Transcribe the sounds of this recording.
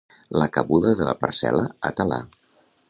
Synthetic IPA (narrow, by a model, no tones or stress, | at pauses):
ləkəβuðəðələpəɾsɛləət̪əla̰